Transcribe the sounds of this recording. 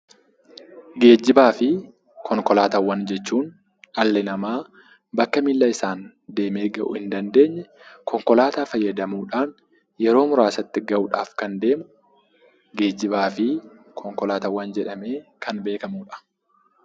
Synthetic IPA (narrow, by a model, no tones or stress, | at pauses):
ɡe̞ːd͡ʒːɪbaːfɪ | kʰɔŋkɔlaːt̪ɐwːɐnd͡ʒɛt͡ʃːuːn | ɐlːɛnɐmaː | bɐkːɐmɪlːɐɪsaːn | d̪e̞ːmeːɡɐʔʊ̰hɪnd̪ɐnd̪e̞ːɲːɛ | kɔŋkɔlaːt̪aːfɐjːɐd̪ɐmuːᶑaːn | jɛɾo̞ːmʊɾaːsɐt̪ːɪɡɐʔʊᶑa̰ːfkɐnd̪e̞ːmʊ | ɡe̞ːd͡ʒːɪbaːfɪkʰɔŋkɔlaːt̪ɐwːɐnd͡ʒɛᶑɐme̞ːkʰɐnbe̞ːkɐmuːᶑɐ̥